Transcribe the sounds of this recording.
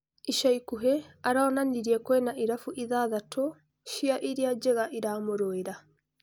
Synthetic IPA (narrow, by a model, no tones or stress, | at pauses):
iʃaikuɦeaɾaɔnaniɾiɛkwɛnaʔiɾafuʔiðaðatʰo | ʃiaʔiɾiad͡ʒeɣaʔiɾamoɾoeɾa